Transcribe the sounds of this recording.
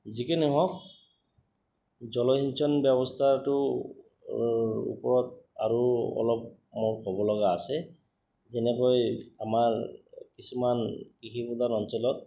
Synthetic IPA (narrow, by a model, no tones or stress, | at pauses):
zikɛniɦɔk̚ | zɔlɔɦint͡ʃʰɔnbjɛβɔstʰatʊ | ṵpɔɹɔt̚a̰ɹuɔ̰lɔp̚ | mɔɹhɔbɔlɔɣaːsɛ | zɛnɛkɔjamaɹkisumankiɦibudanɔnsɔlɔt̚